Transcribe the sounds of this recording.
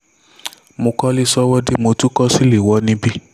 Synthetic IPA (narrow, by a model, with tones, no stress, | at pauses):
mo˧kɔ˦li˦sɔ˦wɔ˦di˦mo˧tu˦kɔ˦si˦le˨wɔ˨˦nĩ˦bi˦